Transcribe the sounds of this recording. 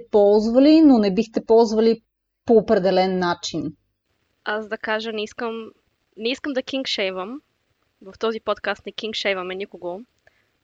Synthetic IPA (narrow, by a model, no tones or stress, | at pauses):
ɛpɔlˠzvɐlinonɛbixt̪ɛpɔlˠzvɐli | poːpɾɛd̪ɛlɛnːat͡ʃin | asd̪ɐkaʒənɛiskəm | nɛiskəmd̪ɐk̟iŋkʃɛjvəm | vɐft̪ɔzipɔt̪kast̪nɛk̟iŋkʃɛjvɐmɛnʲikoɡo